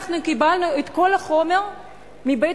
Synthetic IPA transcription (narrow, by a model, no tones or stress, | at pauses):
χnukibalnuet̪ko̞laχo̞me̞ʁ | mibej